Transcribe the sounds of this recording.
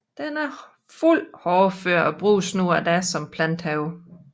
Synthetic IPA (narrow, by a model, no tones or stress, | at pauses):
d̥enæɐ | ful̰hɒːføɐ̰ɒ̽b̥ʁuːsnuɐ̰d̥æɐsɒ̽mpʰlænd̥hɛʊ